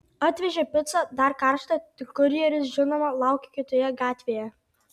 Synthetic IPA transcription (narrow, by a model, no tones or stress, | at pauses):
ɑt̪ʲʋʲɛʒʲepʲɪt̪sɐd̪ɐɾkɐˑɾʃt̪ɐt̪ʲɪkʊɾʲɪjɛɾʲɪs̬ʒʲɪnoːmɐlˠɑˑʊkʲɪkʲɪt̪oːjɛɡɑːt̪ʲʋʲeːjɛ